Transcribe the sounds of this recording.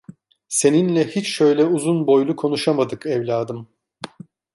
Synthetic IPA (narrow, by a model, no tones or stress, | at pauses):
se̞ninlʲɛhit͡ʃʃø̞jlʲɛuzunbo̞jlˠukʰo̞nuʃamad̪ɯkɛvlʲaːd̪ɯm